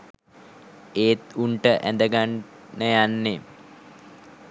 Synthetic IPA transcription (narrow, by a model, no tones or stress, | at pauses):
eːt̪uɳʈəʔæ̰nd̪əɡanː | əjanːe